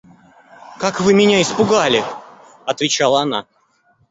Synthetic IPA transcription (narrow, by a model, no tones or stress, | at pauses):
kakvɨmʲɪnʲaɪspʊɡalʲɪ | ɐt̪vʲɪt͡ɕalˠəɐna̰